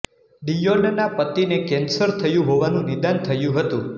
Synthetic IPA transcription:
ɖ̪ijonənapət̪inekɛnsəɾt̪ʰəjũɦoʋanũnɪd̪ant̪ʰəjũɦət̪ũ

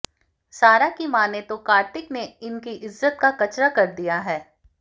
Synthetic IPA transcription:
saːɾakimaːnet̪okaːɾʈ̪ɪkneɪnkiʔɪzːət̪̚kakɐt͡ʃɾakɐɾd̪ijaɦɛː

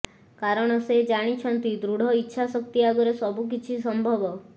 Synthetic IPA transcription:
kaɾɔɽ̃ɔsed͡ʒaɽ̃it͡ʃʰɔnt̪id̪ɾuɽ̤ʱɔitːʃʰasɔk̚t̪iaɡɔɾesɔbuk̬it͡ʃʰis̬ɔmbʱɔbɔ

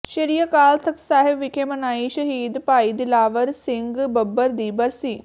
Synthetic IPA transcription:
ʃəɾijəkaːlt̪ʰəksaːɦɪbʋɪkʰeːmənaːiːʃəɦiːd̪paːiːd̪ɪlaːʋəɾsɪŋɡbəbːəɾd̪iːbəɾsiː

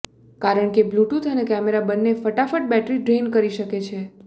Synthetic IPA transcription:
kaɾəɳkebluʈut̪ʰənekɛmeɾabənːefəʈafəʈ̚bɛʈɾiɖɾenkəɾiʃəket͡ʃʰe

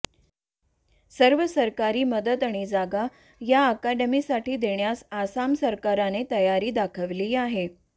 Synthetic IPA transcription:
səɾʋəsəɾkaɾiːməd̪ət̪aɽ̃id͡zaɡa | jaəkaɖəmiːsaʈiːd̪eɳjasasamsəɾkaɾanet̪əjaɾiːd̪akʰəʋliːaɦe

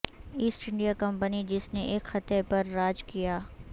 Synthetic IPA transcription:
iːsʈɪ̃ɳɖijakɐ̃mpənid͡ʒɪsneʔeːkxɐt̪epɐɾːaːd͡ʒkijaː

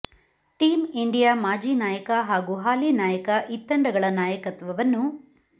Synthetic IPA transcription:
ʈiːmiɳɖijaːmaːd͡ʒiːnaːjɐkɐɦaːɡuɦaːliːnaːjɐkɐʔit̪ːɐɳɖɐɡɐɭɐnaːjɐkɐt̪ʋɐʋɐnːu

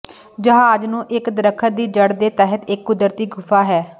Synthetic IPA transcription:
d͡ʒəɦaːd͡ʒnũːʔɪkd̪əɾəkʰːəd̪iːd͡ʒəɽd̪eːt̪ɛːɦət̪ɪkːʊd̪əɾt̪iːɡʱʊpʰaːɦɛː

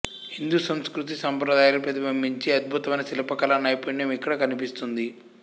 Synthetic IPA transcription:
hind̪usɐmskɾut̪̬isɐmpɾɐd̪aːjalupɾɐd̪ibɐmbiɲt͡ʃiɐd̪̚bʱut̪ɐmɐjnɐsilɐpɐkɐlɐnɐjpuɳjɐmikːɐɽɐkɐnipist̪und̪i

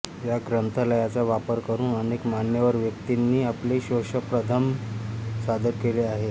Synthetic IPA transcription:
jaɡɾənt̪ʰələjat͡saʋapəɾkəɾuːnənekmanjəʋəɾʋjək̚t̪inːiːapleɕoʂəpɾət̪ʰəm | sad̪əɾkeleaɦe

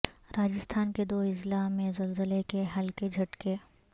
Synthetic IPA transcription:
ɾaːd͡ʒɪst̪ʰaːnked̪oːɪzlamẽzɐlzəlekeɦɐlked͡ʒʱɐʈke

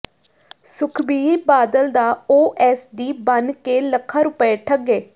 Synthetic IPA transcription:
sʊkʰbiːibaːd̪əld̪aːoːʔɛːsd̪iːbənkeːləkʰːaːɾʊpəeʈʰəɡeː

